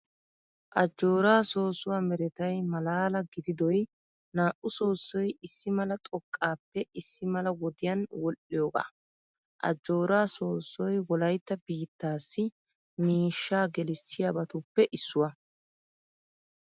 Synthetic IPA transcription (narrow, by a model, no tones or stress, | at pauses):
ʔɐd͡ʒːo̞ːɾaːso̞ːsʊwamɛɾɛt̪ɐjmɐlaːlɐɡɪd̪ɪd̪ɔj | naːʔʊso̞ːsːɔjɪsːɪmɐlɐt̪ʼɔkʼːaːpːɛɪsːɪmɐlɐwɔd̪ɪjɐnwɔlʔɪjoːɡa̰ː | ʔɐ̰d͡ʒːo̞ːɾaːso̞ːsːɔjwɔlɐjt̪ːɐbiːt̪ːaːsːɪ | miːʃːaːɡɛlɪsːɪjabɐt̪ʊpːɛʔɪsːʊwɐ